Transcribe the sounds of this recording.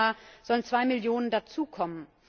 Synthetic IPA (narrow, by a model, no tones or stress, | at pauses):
aːz̥ɔlənt͡sv̥aɪmɪljoːnəndat͡suːkʰɔmən